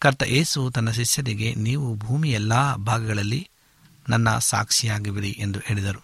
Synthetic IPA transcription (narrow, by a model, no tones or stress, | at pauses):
kɐɾt̪ɐʔeːsut̪ɐnːɐʃiʃjɐɾiɡe̞niːʋubʱuːmijɛlːaːbʱaːɡɐɡɐɭɐlːi | nɐnːɐsa̰ːkʂijaːɡiʋiɾiʔend̪ueɭid̪ɐɾu